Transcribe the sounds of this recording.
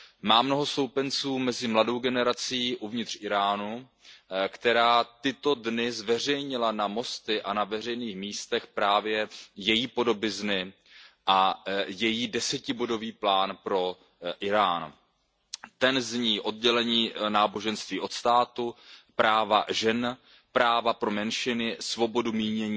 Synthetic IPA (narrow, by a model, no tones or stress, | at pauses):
maːmnoɦo̞so̞wpɛnt͡suːmɛzɪmlado̞wɡɛnɛɾat͡siːʔuvɲɪt̪r̥ʔɪɾaːnu | kt̪ɛɾaːt̪ɪt̪o̞dnɪzvɛr̝ɛjɲɪlanamo̞st̪ɪʔanavɛr̝ɛjniːxmiːst̪ɛxpɾaːvjɛjɛjiːpo̞do̞bɪznɪ | ʔajɛjiːdɛsɛcɪbo̞do̞viːplaːnpɾo̞ | ʔɪɾaːn | t̪ɛnzɲiːʔo̞d̚ɟɛlɛɲiːnaːbo̞ʒɛnst̪viːʔo̞t̪st̪aːt̪upɾaːvaʒɛn | pɾaːvapɾo̞mɛnʃɪnɪsvo̞bo̞dumiːɲɛɲː